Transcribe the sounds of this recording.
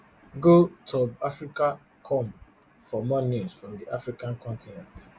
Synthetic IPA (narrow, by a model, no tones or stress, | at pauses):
ɡotʰɔbafɹika | kʰɔ̃m | fɔmɔnjusfɹɔ̃mdiʔafɹikãnkɔ̃ntinɛ̃nt